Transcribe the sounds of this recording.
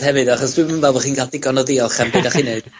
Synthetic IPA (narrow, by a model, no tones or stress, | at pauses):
hɛvɨdaχɔsd̥wɨmənvɛlˠvɔχiːnɡadɪɡɔnɔðiɔχanbedaχineɨd̥